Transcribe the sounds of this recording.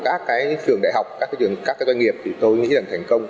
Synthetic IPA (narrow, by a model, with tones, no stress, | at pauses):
kaː˦˥kːaː˨˦jt͡ɕɨ˨˩əŋɗaː˧˨ɦa˨˩wk͡p̚kaː˦˥kːaː˨˦jzkaː˦˥kːaː˨˦za˧nŋi˨˩əp̚t̪ʰi˨˩t̪o˧jŋḭ˧˥laː˨˩ŋt̪ʰɛ˨˩ŋ̟kə˧wŋ͡m